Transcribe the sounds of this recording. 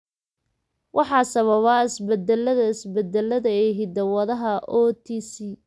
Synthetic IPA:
wʔɑħɑːsɐβɐβaːɪsbɐd̪ɛlːɐðɐɪsbɛd̪ɛlːɐðɐɛɦɪd̪ɐwɐðɐɦɐʔɔːt̪ʰiːsiː

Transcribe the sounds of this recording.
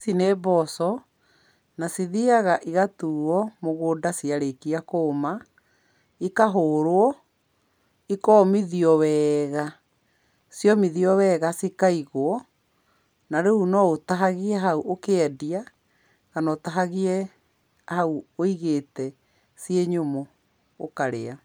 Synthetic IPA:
sinebɔsɔ | nasiðiaɣaʔiɣatuɔmoɣoːdasiaɾekiakoːma | ikaɦoːɾoɔ | ikɔːmiðiɔwɛɣa | sjɔmiðiɔwɛɣasikaiɣoɔ | naɾeunɔotaɦaɣiɛɦauʔokeɛdia | ɣanɔtaɦaɣiɛ | hauoiɣeːtɛ | sieɲomo̰ː | kaɾḛa

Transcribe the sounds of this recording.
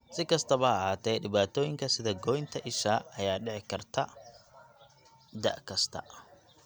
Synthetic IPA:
sɪkɐst̪ʰɐβɐhaːt̪ʰɛɗɪβaːt̪ʰɔːjɪŋkʰɐsɪðɐɡɔːjɪnt̪ʰɐʔɪʃaːɐjaːɖɛʕɪkʰɐrt̪ʰɐ | d̪ɐ̰ʔkʰɐst̪ʰɐ̰

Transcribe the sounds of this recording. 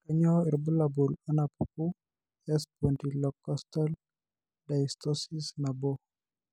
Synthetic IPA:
kaɲɔiɾbulabulɔnapupu | ɛspɔntilɔkːɔstal | daist̪ɔsisnabo

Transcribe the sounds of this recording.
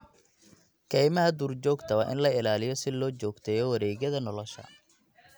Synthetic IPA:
kʰɛjmɐɦɐd̪uːrt͡ʃɔːɡt̪ʰɐwaʔɪ̰nlɐɪlaːlɪjɔsɪlɔːt͡ʃɔːɡt̪ʰɛːjɔwɐɾɛːɣɐðɐnɔlɔʃɐ̰

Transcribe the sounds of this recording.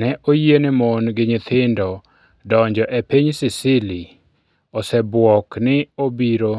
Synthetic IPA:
nɛʔojienɪmɔnɡɪɲɪt̪ʰɪndɔ | dɔɲd͡ʒɔʔepiɲsɪsɪli | ɔsɛbwɔknɪobiɾo

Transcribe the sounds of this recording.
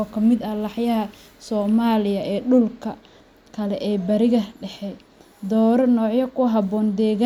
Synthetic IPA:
ɔkʰɐmɪd̪ɐlɑħjɐɦɐ | sɔːmaːlɪjɐʔɛːɖʊlkʰɐ | kʰɐlɛʔɛːbɐɾɪɣɐɖɛħɛ | d̪ɔːɾɔnɔːʕjɐkʰʊɦɑbɔːnd̪ɛːɣa

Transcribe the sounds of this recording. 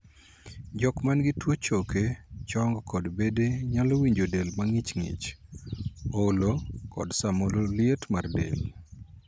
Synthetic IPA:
d͡ʒɔkmanɡɪtwot͡ʃoket͡ʃɔŋɡkɔdbedeɲalɔwiɲd͡ʒodelmaŋɪt͡ʃŋɪ̰t͡ʃ | olokɔ̰dsamololjetmardḛl

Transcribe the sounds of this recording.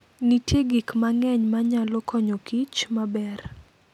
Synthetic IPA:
nitjeɡikmaŋɛɲmaɲalɔkɔɲokit͡ʃmabɛr

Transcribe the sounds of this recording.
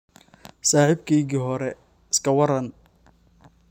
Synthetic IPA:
saːħibkʰɛjɣiːɦɔɾɛ | ɪskʰɐwɐɾɐn

